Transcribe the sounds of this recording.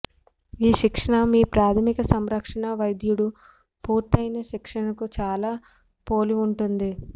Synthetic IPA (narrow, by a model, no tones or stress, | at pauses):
iːʃikʂɐɳɐmiːpɾaːt̪ʰɐmikɐsɐmɾɐkʂɐɳɐʋɐjd̪juɽu | puːɾt̪ɐjnɐʃikʂɐɳɐkut͡ʃaːlaː | poːliuɳʈund̪i